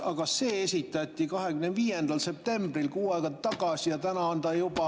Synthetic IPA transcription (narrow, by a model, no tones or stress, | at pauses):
ɑkɑse̞ːesʲit̪ːˑɑt̪ʲˑːikɑɦe̞kymnenviːjend̪ɑlse̞p̚t̪e̞mbrilkuːɑeɡɑt̪ːɑɡ̥ɑsʲijɑt̪ænɑɑnd̪ɑjubɑ